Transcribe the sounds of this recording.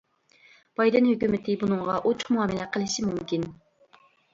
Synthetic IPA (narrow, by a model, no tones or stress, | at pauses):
b̥ɑjd̪ɛnhøkʲymɪt̪ʰɪbunɨŋʁɑʔot͡ʃʰʊ̥χmuɑːmɪlɛqʰəlˠɨʃimumkʲin